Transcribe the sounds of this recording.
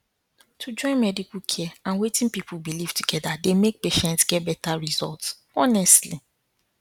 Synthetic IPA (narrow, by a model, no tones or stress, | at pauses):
tʰud͡ʒɔ̃ɪ̃nmɛdikukʰɛãnwetĩnpipʰulbiliv̥tuɡɛdademek̚peʃɛ̃ntsɡ̥ɛt̚bɛtaɹizɔ̰lts | ɔnɛstli